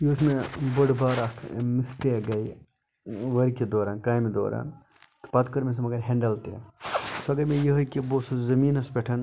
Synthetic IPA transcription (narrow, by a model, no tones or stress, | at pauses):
joːsmebɐɽbaːɾɐst̪ʰmist̪eːɡɐj | ʋɐɾked̪oːɾaːnkaːjmid̪o̰ːɾa̰ːn | t̪pɐt̪kɐɾmes̬ɐmɐɡɐɾɦeɳɖɐlt̪ḛːsoɐɡɐɾmejɐɦɐkʲiboːsɐzɐmiːnɐspʲeʈʰɐn